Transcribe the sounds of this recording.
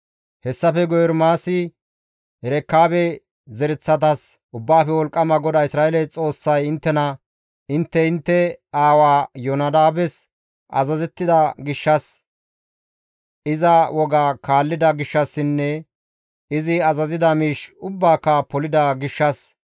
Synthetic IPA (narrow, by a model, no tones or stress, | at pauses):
hɛsːɐfɛɡɔjɛɾmaːsɪ | ɾɛkːaːbɛ | zɛɾɛt͡sːɐt̪ɐs | ʊbːaːfɛwɔlkʼːɐmɐɡɔd̪aːɪsɾaːʔɛlɛt͡sʼo̞ːsːɐjɪnt̪ːɛnɐ | ɪnt̪ːɛɪnt̪ːɛaːwaːjɔnɐd̪aːbɛs | ʔɐ̰zɐzɛt̪ːɪd̪ɐɡɪʃːɐs | ɪzɐwɔɡaːkaːlːɪd̪ɐɡɪʃːɐsːɪnːɛ | ɪzɪɐzɐzɪd̪ɐmiːʃʊbːaːkːɐpɔlɪd̪ɐɡɪʃːɐs